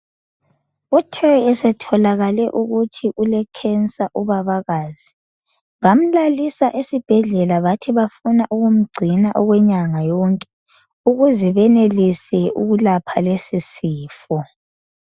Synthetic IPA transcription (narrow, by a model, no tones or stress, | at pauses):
utʰɛɛsɛtʰɔlaɣalɛʔuɣutʰiʔulɛkʰɛnt͡sʼaʔuβaβaɣaːzi | βam̩lalisaʔisib̥ʱɛɮɛlaβatʰiβafunaʔuɣum̩ɡ͡ǀʱinaʔɔɣwɛɲaŋajɔŋkʼɛ̥ | uɣuzɛβɛnelisɛʔṵɣulapʰalesisiːfɔ